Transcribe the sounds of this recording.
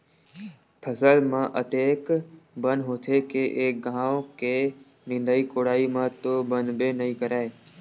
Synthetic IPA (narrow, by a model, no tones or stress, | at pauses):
pʰəsəlmãːʔət̪eːkbənɦoːt̪ʰeːkeʔeːk̚ɡãːokeː | nɪ̃nd̪əːiːkoːɽaːimãːt̪oːbənbeːnəɦĩːkəɾaːe